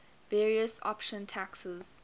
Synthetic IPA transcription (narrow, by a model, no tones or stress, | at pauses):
vɛːɹiəsɔ̰pʃə̃ntʰæksəz̥